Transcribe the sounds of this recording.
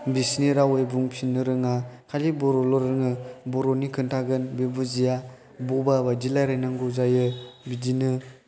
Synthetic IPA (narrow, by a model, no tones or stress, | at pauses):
bisniɾawejbuŋpʰinːɯɾɯŋakʰalibɔɾɔlɔɾɯŋɯbɔɾɔnikʰɯntʰaɡɯnbebɯzija | bɔbabad͡ʒilajɾajnaŋɡɔzajɯbidinɯ